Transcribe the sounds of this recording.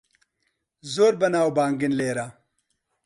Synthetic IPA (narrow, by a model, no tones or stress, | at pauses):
zoːɾbɐnaːwbaːŋɡinleːɾa